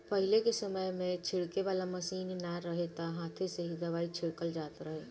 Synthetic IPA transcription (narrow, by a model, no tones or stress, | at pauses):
pəɦilekesəməjmẽt͡ʃʰɪɽkeʋaːlaməsiːnnaɾəɦet̪ɔɦaːt̪ʰeseɦid̪ɐaːit͡ʃʰɪɽkəld͡ʒaːt̪ɾəɦe